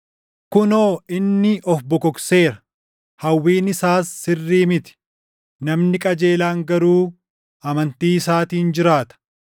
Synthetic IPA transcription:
kʊnoːɪnːɪʔɔfbɔkɔkse̞ːɾɐ̥ | hɐwːiːnɪsaːsːɪrːiːmɪt̪ɪ̥ | nɐmnɪkʼɐd͡ʒe̞ːlaːŋɡɐɾuː | ɐmɐnt̪iːɪsaːt̪iːnd͡ʒɪɾaːt̪ɐ̥

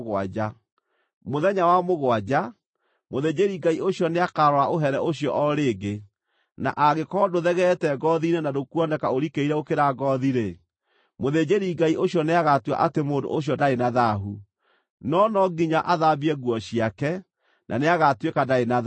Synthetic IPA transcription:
ɣwa̰d͡ʒa | moðɛɲawamoɣwad͡ʑa | moðed͡ʑeɾiɡaioɕjɔneakaɾɔaʔoɦɛɾɛoɕjɔ̰ʔɔɾeːɡe | na̰ʔaɣekɔdoðɛɣɛtɛɡɔðinenadokuɔnɛkaoɾikeiɾɛokeɾaɡɔðiɾe | moðed͡ʑeɾiɡaiʔoɕjɔneaɣatwa̰ʔatemoːndo̰ʔoɕ̬jɔdaenaðaɦu | nɔnɔɡiɲaʔaðaβiɛɣwɔɕiakɛ | nʔa̰neaɣatwekadaena

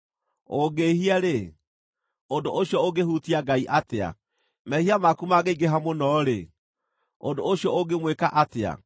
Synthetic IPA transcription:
oɡehiaɾe | ondoʔoɕjɔoɡehutiaɡaiʔatea̰ | mɛhiamakumaɡeiɡeɦamonɔɾe | ondooɕjɔoɡemwekaʔatea̰

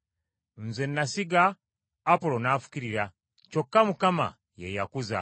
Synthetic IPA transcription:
n̩zenːasiɡaː | polonaːfu̥kiɾiɾa | t͡ʃokːamukama̰ | jejakuza̰

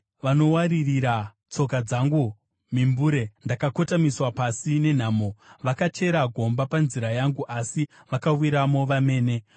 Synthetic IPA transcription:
ʋano̞waɾiriɾa | t͡so̞k̬ad͡zaŋɡu | mimbuːɾe̞ndakako̞tamiswapasine̞n̤aːmo̞ʋakat͡ʃe̞ɾaɡʱo̞mbapanziɾajaŋɡuʔasi | ʋakawiɾamo̞ʋame̞ːne̞

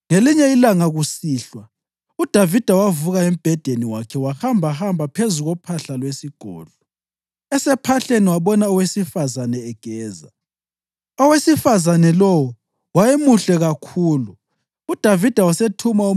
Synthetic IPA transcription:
ŋeliɲɛilaŋaɣusiːɬwa | ud̥ʱavid̥ʱawavuɣaem̩b̥ʱɛd̥ʱeniwakʰɛwahambʱahambʱapʰezuɣɔpʰaɬalwesiɡ̥ʱɔ̰ːɮɔ | ɛsɛpʰaɬeniwaɓɔnaɔwesifazanɛːɡ̥ʱɛːza̰ | ɔwesifazanɛlɔwɔ | wajemuɬɛɣakʰuːlu | ud̥ʱavid̥ʱawasetʰumau

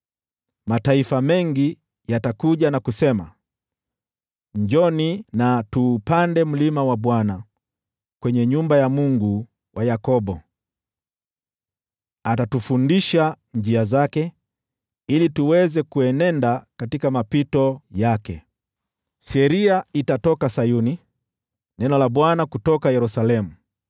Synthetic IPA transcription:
mataifamɛŋɡi | jatakuʄanakusɛma | ɲd͡ʒɔninatuːpandɛm̩limawaɓwana | kwɛɲɛɲumbajamuŋɡu | wʔajakɔɓɔ | atatufundiʃa | ɲd͡ʒiazakɛ | ilituwɛzɛkuɛnɛndakatikamapitɔjakɛ̰ | ʃɛɾiaitatɔkasajuni | nɛnɔlaɓwanakutɔkajɛɾusalɛmu

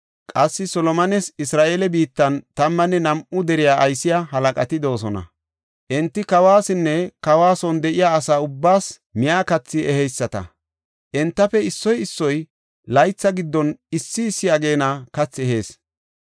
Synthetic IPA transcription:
kʼɐsːɪsɔlɔmɐnɛsɪsɾaːʔelɛbiːt̪ːɐnt̪ɐmːɐnːɛnɐmʔʊd̪ɛɾɪjaːʔɐjsɪjaɦɐlɐkʼɐt̪ɪd̪o̞ːsɔnɐ̰ | ʔɛnt̪ːɪkɐwaːsɪnːɛkɐwaːsɔnd̪ɛʔɪjaːsaːʊbːaːs | mɪjaːkɐt͡sːɪʔɛhɛjsːɐt̪ɐ̰ | ʔɛnt̪ːɐfɛɪsːɔjɪsːɔj | lɐjt͡sːɐɡɪd̪ːɔnɪsːɪːsːɪjɐɡe̞ːnɐkɐt͡sːɛɦe̞ːs

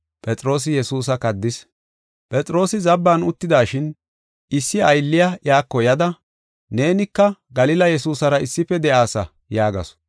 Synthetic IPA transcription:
pʼɛt̪ʼɾo̞ːs̬ɪjɛsuːs̬ɐkɐd̪ːɪs | pʼɛt̪ʼɾo̞ːsɪzɐbːaːnʊt̪ːɪd̪aːʃɪn | ɪsːɪɐjlːɪjajaːkːɔjɐd̪ɐ | ne̞ːnɪkːɐɡɐlɪlɐjɛsuːsɐɾɐɪsːɪfɛd̪ɛʔaːsɐ | jaːɡɐ̰s

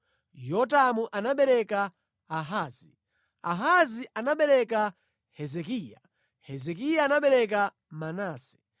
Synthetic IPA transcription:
jɔt̬amuʔanaɓɛɾɛkaː | ɦaːzi | a̰ɦaziʔanaɓɛɾɛka | hɛzɛkiːja | hɛzɛk̬ijaːnaɓɛɾɛk̬a | manaːsɛ̥

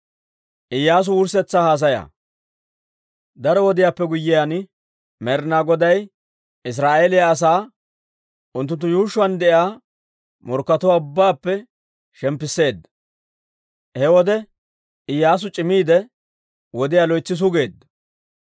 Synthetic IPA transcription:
ʔɪjːaːs̬ʊʊɾsɛt͡sːaːhaːs̬ɐja̰ | d̪ɐɾɔwɔd̪ɪjaːpːɛɡʊjːɪjan | mɛɾnaɡɔd̪ɐj | ɪs̬ɾaːʔeːlɪjaːs̬aː | ʔʊnt̪ːʊnt̪ːʊjuːʃːʊwand̪ɛʔɪaː | mɔɾkːɐt̪ɔwaːʊbːaːpːɛ | ʃɛmpːɪsːe̞ːd̪ | hɛwɔd̪ɛ | ɪjːaːs̬ʊt͡ʃʼɪmiːd̪ɛ | wɔd̪ɪjaːlɔjt͡sːɪs̬ʊɡe̞ːd̪

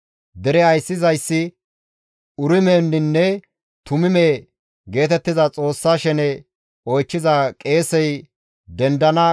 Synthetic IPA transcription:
d̪ɛɾɛɐjsːɪzɐjsːɪ | ʊɾɪmeːnːɪnːɛ | t̪ʊmɪmeː | ɡe̞ːt̪ɛt̪ːɪzɐt͡sʼo̞ːsːaːʃɛnɛ | ɔjt͡ʃːɪzakʼe̞ːsɛj | d̪ɛnd̪ɐnɐ

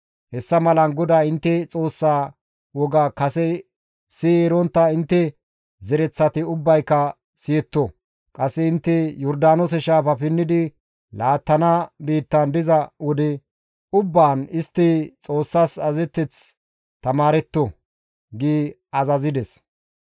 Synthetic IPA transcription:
hɛsːɐmɐlɐnɡɔd̪aːɪnt̪ːɛt͡sʼo̞ːsːaː | wɔɡaːkɐsɛ | sieɾɔnt̪ːɐɪnt̪ːɛ | zɛɾɛt͡sːɐt̪ɪʊbːɐjkːɐ | sɪjɛt̪ːɔ | kʼɐsːɛɪnt̪ːɛjɔɾd̪aːnɔsɛʃaːfɐfɪnːɪd̪ɪ | laːt̪ːɐnabiːt̪ːɐnd̪ɪzɐwɔd̪ɛ | ʊbːaːnɪst̪ːɪt͡sʼo̞ːsːasɐzɛt̪ːɛt͡s | t̪ɐmaːɾɛt̪ːɔ | ɡiː | ɐzɐzɪd̪ɛs

